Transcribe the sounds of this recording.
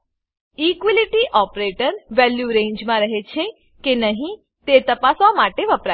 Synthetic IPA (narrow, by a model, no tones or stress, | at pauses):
ikʋiliʈiʔɔpɾeʈəɾʋɛljuɾẽɲd͡ʒmãɾəɦet͡ʃʰe | kenəɦĩ | t̪et̪əpasamaʈeʋəpɾa